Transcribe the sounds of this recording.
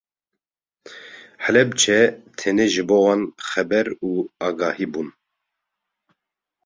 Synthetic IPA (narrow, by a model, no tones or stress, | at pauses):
ħəlɛbt͡ʃʰɛt̪ʰɛneʒɨboːwɑnxɛbɛɾuɑːɡɑːhiːbun